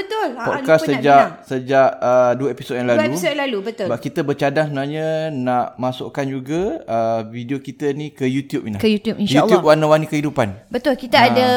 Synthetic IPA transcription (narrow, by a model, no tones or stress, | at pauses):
bət̪ʊlpɔkasːəd͡ʒaksəd͡ʒaʔəduəepisot̚jãŋlaluist̚jalalubət̪ʊbaʔkit̪əbət͡ʃadaŋsəbənaɲanãʔmaso̰ʔkand͡ʒuɡaəvideokit̪ənĩkəjut̪jup̚inlakəjut̪jupinʃjauljup̚wanãwanikəɦidupanbət̪ʊlkit̪aada